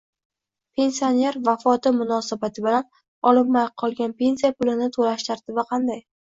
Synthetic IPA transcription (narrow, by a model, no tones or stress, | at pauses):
pʰe̞nsioneɾvafɒt̪ʰɪmʊnɒsabat̪ʰɪbɪlan | ɒlɪpmajqʰɒlˠɡʲanpʰe̞nsijapʊlɪnɪt̪ʰolaʃt̪ʰaɾt̪ʰɪbɪqʰɑnd̪aj